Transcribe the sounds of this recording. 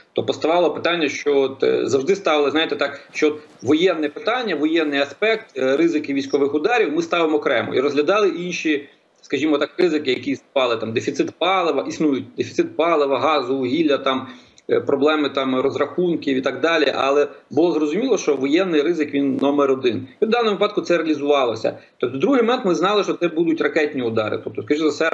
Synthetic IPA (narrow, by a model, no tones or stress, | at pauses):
t̪ɔpɔst̪ɐʋɑlˠɔpɪ̥t̪ɑnʲːɐʃt͡ʃɔɔt̪zɐwʐʒd̪ɪst̪ɑʋɪlˠɪznɑjt̪ɛt̪ɑkʃt͡ʃɔɔt̪ | ʋɔjɛnːɛpɪt̪ɑnʲːɐʋɔjɛnːɪjɐspɛk̚t̪rɪzɪkɪʋʲijsʲkɔʋɪxʊd̪ɑɾʲiwmɪst̪ɑʋɪmɔɔkɾɛmɔ̰iɾɔzɦlʲɐd̪ɑlˠɪʔinʃi | skɐʒʲimɔt̪ɑkrɪzɪkɪjɐkʲisnʊpɑlˠɪt̪ɑmd̪efʲit̪sɪt̪pɑlˠɪʋɐʔisnujʊt̚ʲd̪efʲit̪sɪt̪̚pɑlˠɪʋɐɦɑzʊʊɦʲilʲːɐt̪ɑm | pɾɔblˠɛmɪt̪ɑmrɔzrɐxunkʲiwit̪ɑɡ̚d̪ɑlʲiʔɐ̰lˠɛbʊlˠɔzɾɔzʊmʲilˠɔʃt͡ʃɔʋɔjɛnːɪjɾɪzɪkʋʲinːɔmeɾɔd̪ɪnʲd̪d̪ɑnɔmɔʋɪpɑd̪̚kʊt̪sɛɾeɐlʲizʊʋɑlˠɔsʲɐ̰t̪ɔp̚t̪ɔd̪ɾuɦɪmɔmɛnt̪mɪznɑlˠɪʃt͡ʃɔt̪sɛbud̪ʊtʲrɐkɛtʲnʲiʊd̪ɑɾɪ̰t̪ɔp̚t̪ɔskɐʒizɐsɛ